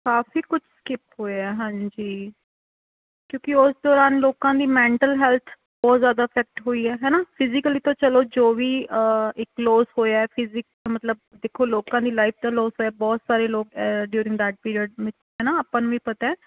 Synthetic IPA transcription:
kaːfiːkʊt͡ʃʰskɪphoːeɛːɦãːɲd͡ʒiː | kjõːkɪʊsd̪ɔːɾaːnloːkãːd̪iːmɛ̃ːɳʈəlɦɛːlt̪ʰ | bɔːt̪zjaːd̪aːɪpʰɛːk̚ʈɦoːiːɛːɦɛːnaːpʰɪzɪkəliːt̪õːt͡ʃəloːd͡ʒoːʋiːɪkloːzɦoːjaːɛːpʰɪzɪk̚mət̪ləb̚d̪eːkʰoːloːkãːd̪iːlaːipʰt̪ãːloːzɦoːjaːbɔːt̪saːɾeːloːkɖjuːɾɪ̃ŋɡd̪ɛːʈ̚piːɾijəɖʋɪt͡ʃɦɛːnaːaːpãːnũːʋiːpət̪aɛː

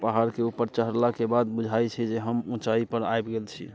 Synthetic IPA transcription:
paɦaɾkeupːəɾt͡ʃəɦəɾlakebad̪bud͡ʒʱajt͡ʃʰɛd͡ʒeɦəmũt͡ʃaipəɾaebɡelt͡ʃʰḭ

